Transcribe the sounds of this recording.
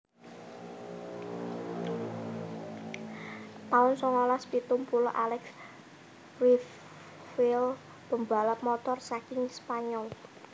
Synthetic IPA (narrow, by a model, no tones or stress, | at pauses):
t̪aʊnsɔŋɔlaspit̪umpulʔalɛks | rif | fil | b̥ə̤mba̤lap̚mɔt̪ɔrsakɪŋspaɲɔl